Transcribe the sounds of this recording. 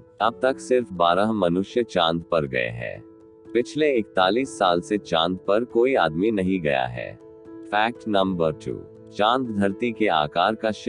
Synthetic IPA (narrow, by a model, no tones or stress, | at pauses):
ɐb̚t̪ɐksɪɾfbaːɾaɦmɐnʊʃjət͡ʃãːnd̪̚pɐɾɡɐ̰ḛɦɛ̰̃ː | pɪt͡ʃʰleɪkt̪aːliːsːaːlset͡ʃãːnd̪̚pɐɾkoːiaːd̪minɐɦĩɡɐja̰ɦɛ̰ː | fɛːk̚ʈnɐ̃mbəɾʈṵː | t͡ʃãːnd̪d̪ʱɐɾt̪ikea̰ːkaːɾkaʃ